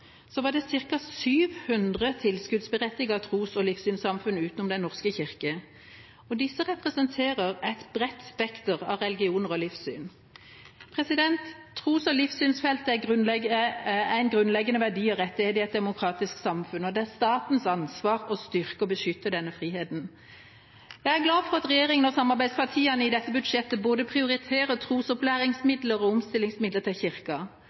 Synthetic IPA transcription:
sɔʋɑːd̪ɛsɪʁkɑsyːʋhʉnd̪ʁət̪ʰɪlskʉd̪sbəʁɛt̪ːɪɡɑɑt̪ʰʁuːsɔlɪfsyːnsɑmfʉnəʉːt̪nɔmd̪ɛnɔʁskəçɪʁkə | ɔd̪ɪsːəʁɛpʁɛsənt̪ʰeːʁəʁæɪt̪bʁɛt̪spɛkt̪əʁɑ̰ʋʁɛlɪɡɪuːnəʁɔlɪfsy̰ːn | pʰʁɛsɪd̪ɛnt̪ʰː | ʁuːsɔlɪfsyːnsfɛlt̪æɡʁʉnlɛɡæɪnɡʁʉnlɛɡːənəʋæʁɖiːɔʁɛt̪ːɪheːt̪ɪɛt̪̚d̪ɛmʊkʰɾɑːt̪ɪsksɑmfʉnɔd̪ɛæʁst̪ɑːt̪n̩sɑnsʋɑːʁɔst̪ʏʁkəɔbəʃʏt̪ːəd̪ɛnːəfɾiːheːt̪n̩ | jæɪæɾɡlɑːfɔʁɑt̪ʁɛjeːʁɪŋənɔsɑmːɑʁbæɪd̪spʰɑt̪ʰiːɑnəɪd̪ɛt̪ːəbʉd̪ʃɛt̪ːəboːd̪əpʰʁɪʊʁɪt̪ʰeːʁət̪ʰʁuːsɔplæːʁɪŋsmɪd̪ləʁɔʊmst̪ɪlːɪŋsmɪd̪lət̪ʰɪlçɪʁkɑ

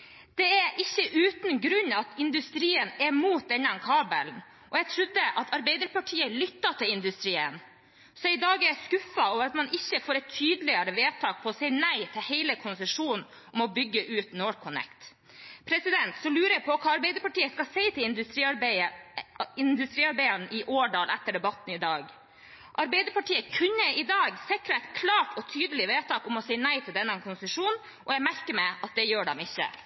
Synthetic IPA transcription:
d̪̥ɛæɾʔɪçːəʔʉːt̪nɡɾʉɲɑt̪ʰɪnd̪ʉst̪ɾiːənɛmuːt̪̚d̪ɛɲɑnkʰɑːbə̰ln | ʔɔjɛɡt̪ʰɾʉd̪ːəʔɑt̪ʰɑɾbɛɪd̪əɾpɑʈʰiːəlʏt̪ːɑt̪ʰɪlɪnd̪ʉst̪ɾiːə̰n | sɔɪd̪ɑːɡəæskʉfːɑoːʋəɾɑt̪mɑnɪçːəfoːɾɛt̪ʰːyːd̪lɪəɾəʋeːt̪ʰɑːk̚pʰɔɔsɛɪnæɪt̪ʰɪlhɛɪləkʰʊnsəʂuːnn̩ | ʔɔmɔbʏɡːəʔʉːt̪noːɾkʰʊnɛ̰kt̪ | pʰɾɛsɪd̪ɛnt̪sɔmlʉːɾəjɛpʰɔkʰɑːɑɾbɛɪd̪əɾpɑʈiːəskɑsɛɪt̪ʰɪlɪnd̪ʉt̪ɾi | ɪnd̪ʉst̪ɾiːɑɾbɛɪənəʔɪʔoːɖɑːlɛt̪ːəɖɛbɑt̪n̩ɪd̪ɑːɡ | ʔɑɾbɛɪd̪əɾpɑʈiːəkʰʉɲːəɪd̪ɑːɡsɪkɾɑæɪt̪kʰlɑːʈʰɔt̪ʰyːd̪əlɪʋeːt̪ʰɑːkɔmɔsɛɪnæɪt̪ʰɪld̪ɛnːəɛnkʰʊnsəʂuːn | ʔɔjæɡmæɾkəmɛɪɑt̪̚d̪ɛjøːɖɛmɪçːə̰

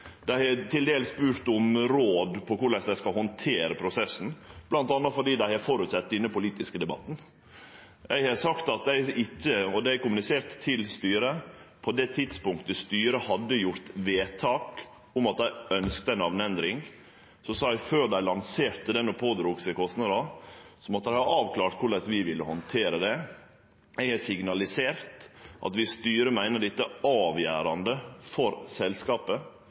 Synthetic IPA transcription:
d̪̥æɪhɛt̪ʰɪld̪eːlsspʉːɾt̪ʊmɾoːd̪pʰɔkʊɭɛsd̪æɪskɑhɔnt̪ʰeːɾəpʰɾʊsɛsn̩b̥lɑnt̪ɑnːəfɔɖiːd̪æɪhɛɾfɔɾʉt̪sɛt̪ːɪnːəpʊliːt̪ɪskəd̪ɛbɑ̰t̪ːn̩ | æɪhɑsɑkt̪ɑt̪̚d̪æɪɪtːəɔd̪ɛæɪkʊmʉnɪseːɾt̪ʰːɪlst̪yːɾəpʰɔd̪ɛt̪ʰɪd̪spʊŋkt̪əst̪yːɾəhɑd̪ːəjʊɾt̪ʋeːt̪ʰɑːk | ʊmɑt̪̚d̪æɪœnskt̪ənɑʋnɛnd̪ɾɪŋ | sɔsɑːæɪføːɾd̪æɪlɑnseːɾt̪əd̪ɛnːɔpʰoːd̪ɾuːksɛkʰɔst̪nɑd̪ɑsɔmɔt̪ːæɪhɑɾɑːʋkʰlɑːɾt̪kʰʊɭɛsʋɪʋɪlːəhɔnt̪ʰeːɾəd̪ɛ | ææsɪɡnɑlɪseːɾt̪ʔɑ̰t̪ʋɪst̪yːɾəmæɪnəɖɪt̪ːəɑːʋjæ̰ːɾɑnd̪əfɔɾsɛlskɑːpə

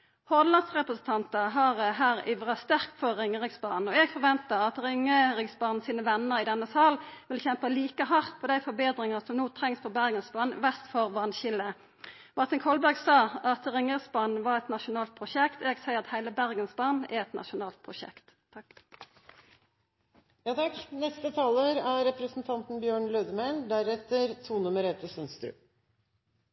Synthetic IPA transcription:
hɔʁd̪lɑnd̪sʁɛpʁəsn̩t̪ʰɑnt̪əɦɑʁɦæːʁɪ̰ʋʁɑst̪æʁkt̪fɔʁɪŋːəʁɪɡsbɑːn̩ɔɛːɡfɔʁʋɛnt̪əʁɑt̪ʁɪŋəʁɪɡsbɑːnn̩siːnəʋɛnːəʁɪd̪ɛnːəsɑːlʋɪlçɛmpəliːkəɦɑʁt̪̚pʰɔːd̪æɪfɔbeːd̪ʁɪŋəsɔmnuːt̪ʰɾɛŋspʰɔbæʁɡənsbɑnʋɛst̪fɔʁʋɑnçɪlə | ʋɑʁt̪əŋkʰɔlbæʁɡsɑːɑt̪ʁɪŋəʁsbɑnːʋɑʁɛt̪nɑʃʊnɑːlt̪̚pʰʁʊʃɛkt̪eːɡsæɪəʁɑt̪hæɪləbæʁɡənsbɑnæ̰ɾɛt̪nʔɑ̰ʃʊnɑːlt̪̚pʰʁʊʃɛ̰kt̪ | jɑːt̪ʰɑknɛst̪ət̪ʰɑːləɾæɾɛpɾəsn̩t̪ʰɑnt̪n̩bjøːɳløːd̪əmæɪnd̪æɾɛt̪əɾt̪ʰuːnʉməɾɛt̪əsœnst̪ɾʉ̰

